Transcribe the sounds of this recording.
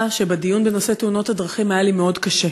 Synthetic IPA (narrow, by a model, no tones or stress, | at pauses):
aʃe̞bedijunbenose̞teuno̞thadʁɐχimhajelimeo̞dkaʃe